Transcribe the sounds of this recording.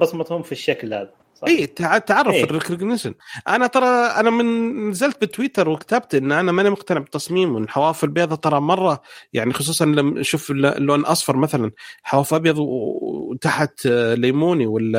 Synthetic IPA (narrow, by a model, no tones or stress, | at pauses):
ɾˤɑsˤmɑt̪hʊmfiʃːaklha̰ːd̪a | sˤɑʔiːt̪ʕt̪ʕɑrˤːɑfɪrɪkɾɡnɪʃɪnʔanat̪ˤɑɾˤɑʔanamɪnnazalt̪̚bɪt̪ːwiːt̪ɑɾˤwɪkt̪ab̚t̪ʔɪnːʔanamanmʊqt̪anɪʕbɪt̪ːɑsˤmiːmwɪnħawaːfɪlbeːðˤɑt̪ˤɑɾˤɑmɑrˤːɑjaʕnixʊsˤuːsˤɑnlamʃuːfllːoːnʔɑsˤfɑɾˤmaθalanlħawaːfʔɑbjɑðˤ | t̪aħt̪leːmuːniwɪl